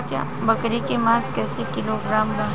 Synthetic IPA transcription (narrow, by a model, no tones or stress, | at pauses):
kja̰ː | bɐkɾikemãːskɛːsekɪloɡɾaːmbã